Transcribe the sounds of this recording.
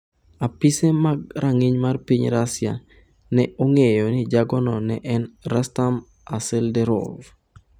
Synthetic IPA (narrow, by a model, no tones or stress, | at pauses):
apisɛmaɡɾʔaŋiɲmarpiɲɾasja | nɛoŋejɔnid͡ʒaɡɔnɔnɛʔɛnɾastam | asɛldɛɾɔ̰l